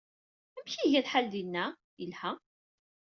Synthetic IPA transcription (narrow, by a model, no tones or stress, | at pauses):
æmçiʝæθħald̪inːæ | jəlhæ